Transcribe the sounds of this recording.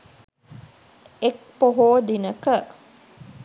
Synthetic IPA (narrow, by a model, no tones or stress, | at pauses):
ek̚poɦoːd̪inəkə